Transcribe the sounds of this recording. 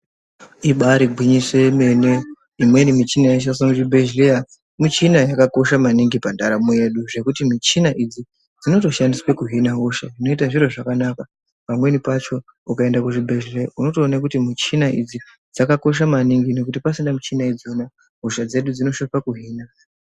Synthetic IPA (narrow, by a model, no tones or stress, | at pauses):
iɓaɾiɡʱwiɲiswe̞me̞ne̞ | imwenimit͡ʃinajeʃ̬as̬onuʐibʱeʒleja | mit͡ʃinajakako̞ʃamaniŋɡipandaɾamueɗuʐe̞kutimit͡ʃinaʔid͡zi | d͡zino̞to̞ʃandiswekuɦinaɦuʃaino̞itaʐiɾo̞ʐakanaka | pamwe̞nipat͡ʃo̞ | ukae̞ndakuʐibʱe̞ʒrejauno̞toːnak̬utimit͡ʃinaʔid͡zi | d͡zakako̞ʃ̬amaniŋɡino̞kutipasindamut͡ʃinaid͡zona | ɦuʃad͡ze̞ɗud͡zino̞ʃofakuɦiːna